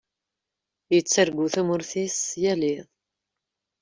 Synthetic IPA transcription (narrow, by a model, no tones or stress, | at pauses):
jət͡sːəɾɡuθæmʊɾθisjælɪðˤ